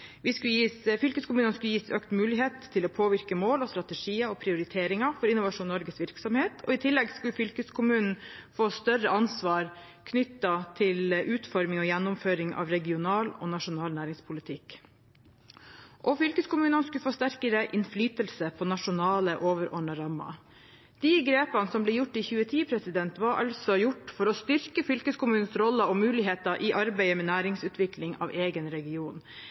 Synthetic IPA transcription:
ʋɪskʉjiːsfʏlkəskʊmʉːnɑnskʉjiːsøːkt̪mʉːlɪɦeːt̪ʰːɪloːpʰoːʋɪɾkəmoːlɔst̪ɾɑt̪ɛʂiːəɔpʰɾɪʊɾɪt̪ʰeːɾɪŋɑfɔɾɪnʊʋɑʂuːnːɔɾɡəsʋɪɾksɔmheːt̪ʰɔ̰ɪt̪ʰɪlːɛɡskʉlfʏlkəskʰʊmʉːnn̩foːst̪œɾəʔɑnsʋɑːɾ | kʰnʏt̪ːɑt̪ʰɪlʔʉːt̪fɔɾmɪŋɔjɛnːʊmføːɾɪŋɑ̰ʋɾɛɡɪʊnɑːlɔ̰ːnɑʂʊnɑːlnæːɾɪŋspʰʊlɪt̪ʰɪk | ʔɔfʏlkəskʊmʉːnənskʉfoːst̪æɾkəɾəʔɪnflyːt̪əlsəpʰɔːnɑʂʊnɑːləʔoːʋəɾʔɔɳɑɾɑmːɑ̰ | d̪̥ɪɡɾeːpɑnsɔmbleːjʊʈːiçʉːət̪ʰiːpʰɾɛsɪd̪ɛnt̪ʋɑɾɑ̰lsɔjʊʈːfɔɾɔst̪ʏɾkəfʏlkəskʊmʉːnnsɾɔlːəɔmʉːlɪɦeːt̪ɑʔiʔɑɾbæɪəmɛːnæːɾɪŋsʉːt̪ʰʋɪkʰlɪŋɑ̰ːʋeːɡənɾɛɡɪuːn

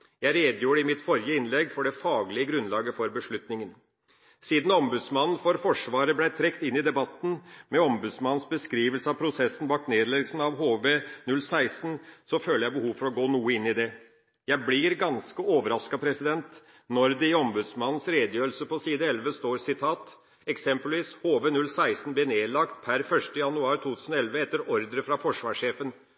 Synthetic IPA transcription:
jæɪɾeːd̪juːɾəɪmɪt̪fɔɾjəɪnlɛɡfɔɖɛfɑːɡlɪəɡɾʉnlɑːɡəfɔɾbəʂɭʉt̪nɪŋən | siːd̪n̩ɔmbʉd̪smɑnn̩foːɾfɔʂʋɑːɾəblæɪt̪ʰɾɛkt̪ɪnːɪd̪ɛbɑt̪ːn̩mɛɔmbʉd̪smɑnn̩sbəskɾiːʋəlsəɑpʰɾʊsɛsn̩bɑːk̪neːd̪lɛɡsn̩ɑʋɦoːʋeːnʉlːsæɪsnsɔføːləɾjæɪbəhuːʋfɔɾɔɡoːnuːəɪnːɪd̪ɛ | jæɪblɪɾɡɑnskəoːʋəɾɑskɑpʰɾɛsɪd̪ɛnt̪ | nɔɾd̪ɛɔmbʉd̪smɑnːn̩sɾeːd̪əjøːɾəl̩səpɔsiːd̪əɛlʋəst̪oːɾsɪt̪ʰɑːt̪ | ɛksɛmpəlʋiːshoːʋenʉlsæɪsn̩blɪneːd̪lɑkt̪pʰæɾfœʂtəjɑnʉɑːɾt̪ʰuːt̪ʰʉːsn̩ɔɛlʋəɛt̪ːəɾɔɾd̪əɾəfɾɑfɔʂʋɑːʂeːfən

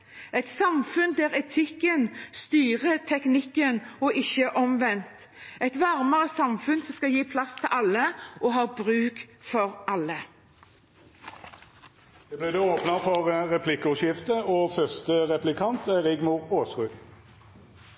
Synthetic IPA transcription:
ɛt̪sɑmfʉnd̪ɛːʁɛt̪ʰɪkːənst̪yːʁət̪ʰɛknɪkənɔʔɪçːəʔɔmʋɛnt̪ | ɛt̪ʋæʁməʁəsɑmfʉnsɔmskɑjiːpʰlɑst̪ʰɪʔɑlːəʔɔɦɑːbʁʉːkfɔʁʔɑlːə | d̪̥eːblɪːd̪eːoːpnəfɔʁʁɛpʰlɪkːʊʃjɪft̪əoːfœst̪əʁɛplɪkʰɑnt̪æʁɪɡmʊʁoːsʁʉː

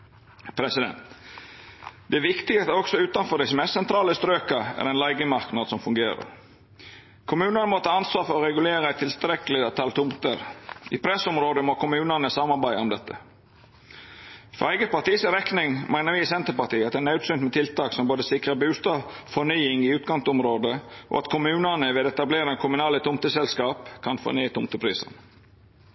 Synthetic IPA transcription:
pʰɾɛsɪd̪ɛ̰nt̪ | d̪ɛæʋɪkt̪ɪɡt̪ɔksɔʉːt̪ɑnfɔɖɛɛsmɛssɛnt̪ʰɾɑːləst̪ɾøːkɑæ̰ɾɛɪnlɑɪɡəmɑɾknɑd̪sɔmfʉŋɡeːɾə̰ɾ | kʰʊmʉːnənəmɔt̪ʰɑːɑnsʋɑːfɔɾɔɾɛɡʉleːɾəæɪt̪ʰːɪlst̪ɾɛkəlɪɑt̪ʰɑlt̪ʰʊmt̪əɾʔɪpʰɾɛsɔmɾoːd̪əmɔkʊmʉːnənəsɑmːɑɾbæɪɔmd̪ɛt̪ːə | fɾɔ̰ɾæɪɡəpɑt̪iːsɾɛknɪŋmʔæɪnəɾʋɪɪsɛnt̪əpɑt̪iːɑt̪̚d̪ɛnɑʉt̪sʏnt̪mɛt̪ʰɪlt̪ɑːksɔmboːd̪əsɪkɾəbʉːst̪ɑːʋfɔnyːɪŋɪʉːt̪ɡɑŋt̪ɔmɾoːd̪əʔɔ̰ɑt̪kʰʊmʉːnənəʋeːd̪ɛt̪ɑbleːɾɑkʰʊmʉnɑːlət̪ʰʊmt̪əsɛlskɑːpkʰɑnfo̰nyːt̪ʰʊmt̪əpʰɾiːsə̰n

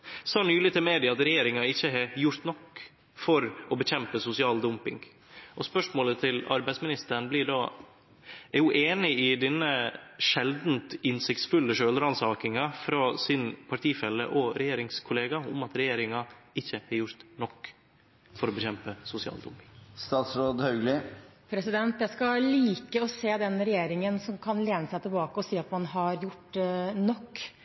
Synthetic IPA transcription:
sɑːnyːlɪt̪ʰɪlmeːd̪ɪɑt̪ɾɛjeːɾɪŋɑɪçːəɦɛjʊɾt̪nɔkː | fɔɾɔbəçɛmpəsʊsɪɑːld̪ʊmpɪŋɡ | ʔɔspœʂmoːlət̪ʰɪlɑ̰ɾbæɪsmɪnɪst̪əɳblɪɖɑː | æɾjʊʔeːnɪɪd̪ɛnːəʂɛld̪nt̪ɪnsɪkt̪sfʉlːəʂøːlɾɑnsɑːkɪŋɑfɾɑːsɪnpʰɑʈʰiːfɛlːə̰ʔɔɾɛjeːɾɪŋskʰʊleːɡɑʊmɑt̪ɾɛjeːɾɪŋɑɪçːəhɛɾjʊɾt̪nɔkː | fɔɾɔbɛçɛmpəsʊsɪɑ̰ːld̪ʊ̰mst̪ɑːt̪sɾoːd̪hœʉɡlɪpʰɾɛsɪd̪ɛnt̪jæskɑliːkəɔseːd̪ɛnɾɛjeːɾɪŋənsɔmkʰɑnleːnəsæɪt̪ʰɪlbɑːkəɔsiːɑt̪mɑnɦɑɾjʊʈnɔkː

